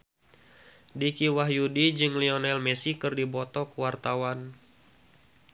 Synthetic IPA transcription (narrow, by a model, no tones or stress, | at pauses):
dikiwaɦjudid͡ʒɨŋliɔnɛlmɛsikɨrdibɔt̪ɔkuwart̪awan